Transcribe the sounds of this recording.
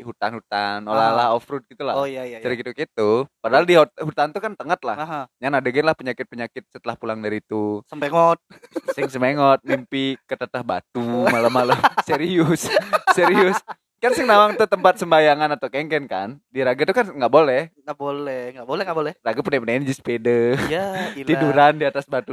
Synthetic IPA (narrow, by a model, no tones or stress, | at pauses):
ɦut̪anhut̪anolalahɔfɾud̚ɡit̪ulajaad͡ʒaɾikit̪ukit̪upadaɦaldiɦot̪hut̪ant̪ukant̪əŋət̪̚lahɦjanadaɡɛnlahpəɲakɪt̪̚pəɲakɪt̪̚sət̪əlahpulaŋdaɾiːt̪usəmpeŋɔt̪̚ | sɪŋsəmeŋɔt̪̚mimpikət̪ət̪ahbat̪umalamalamseɾiʊsseɾiʊs | kansɪŋnawaŋt̪ut̪əmpat̪̚səmbajaŋanat̪awkɛŋkɛnka̰ndiɾaɡat̪ukanŋɡaʔbolɛhŋɡabolɛhŋɡabolɛŋɡabolɛraɡapənapənanid͡ʒispedəjaiduɾandiat̪asbat̪u